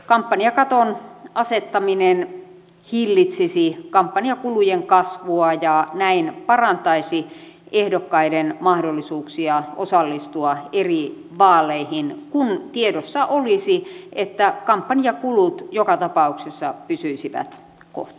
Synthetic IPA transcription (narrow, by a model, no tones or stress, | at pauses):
kɑmpːɑniɑkɑt̪onɑset̪ːɑminen | hilːit̪sisikɑmpːɑniɑkulujeŋkɑsʋuɑjɑnæinpɑrɑnt̪ɑisi | ʔehdokːɑidenmɑhdolːisuːksiɑosɑlːist̪uɑeri | ʋɑːlˑeihinkunt̪iedosːɑʔolisiʔet̪ːækɑmpːɑniɑkulut̪jokɑt̪ɑpɑuksesːɑpysyisiʋæ̰t̪ | ko̰ht̪